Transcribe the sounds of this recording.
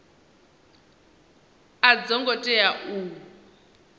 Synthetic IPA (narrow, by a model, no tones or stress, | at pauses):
ad͡zɔŋɡɔtʼɛjaʔuː